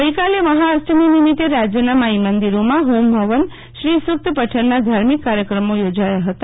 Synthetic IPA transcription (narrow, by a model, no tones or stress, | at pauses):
əikaleməɦaəsʈəminimit̪eɾad͡ʒjənamaimənd̪iɾomãɦombʱəʋən | ʃɾisuk̚t̪əpəʈʰəɾnad̪ʱaɾmikːaɾjəkɾəmojod͡ʒajaɦət̪a